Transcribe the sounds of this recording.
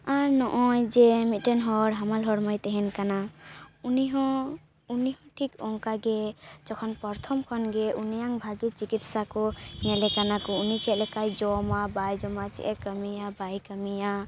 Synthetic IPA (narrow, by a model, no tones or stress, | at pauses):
anɔʔɔjd͡ʒemiʈenɦɔɾɦamalɦɔɾmɔjt̪ɛɦɛnkanauniɦɔ̃ | uniɦɔ̃ʈʰikɔŋkaɡed͡ʒɔkʰɔnpɔɾt̪ʰɔmkʰɔnɡeʔunijaŋbʱaɡit͡ʃikit̪sakɔnɛlɛkanakɔunit͡ʃʰɛlɛkajd͡ʒɔmabajd͡ʒɔmat͡ʃɛ̰ʔɛkəmijabajkəmija